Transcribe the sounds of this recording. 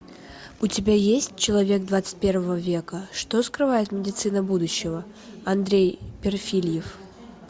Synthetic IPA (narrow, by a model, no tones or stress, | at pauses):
ʊtʲɪbʲajesʲt̚ʲt͡ɕɪlˠɐvʲe̞ɡ̚d̪vat̪sɨ̥t̚ʲpʲe̞rvəvəvʲe̞kəʂt̪oskɾɨvajɪt̪mʲɪdʲɪt̪sɨnəbud̪ʊɕːɪvə | ɐnd̪ɾʲejpʲɪrfʲilʲjɪf